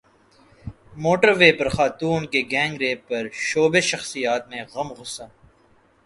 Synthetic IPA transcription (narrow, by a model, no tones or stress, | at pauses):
moːʈəɾʋeːpɐɾxaːt̪uːnkeɡɛ̃ːŋɡɾeːpɐɾʃoːbeʃɐxsijaːt̪mẽɣɐmɣʊsaː